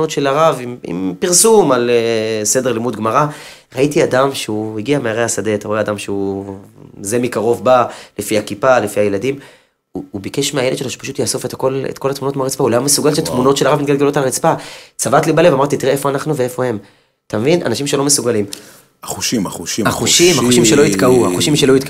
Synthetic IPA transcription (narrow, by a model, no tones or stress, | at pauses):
ot̪ʃelaʁavimḭmpiʁsumalse̞deʁlimud̪ɡmaʁa | ʁaitiadamʃeuhiɡiameaʁehasade̞at̪aʁoeadamʃeu | zemikaʁo̞vbalefiakipalefiajeladim | uubikeʃmeajeled̪ʃeloʃe̥pḁʃut̪jasofe̞tako̞lḛtko̞lat̪muno̞tmeaʁit͡spaulamumesuɡalʃet̪muno̞tʃelaʁavmitɡalɡelotalʁit͡spat͡savatlibale̞vamaʁt̪itiʁeefo̞anaχnuveefo̞he̞m | atamevina̰naʃimʃelo̞mesuɡalim | aχuʃima̰χuʃiaχuʃimaxuʃimʃeloit̪kaua̰χuʃimʃeloit̪k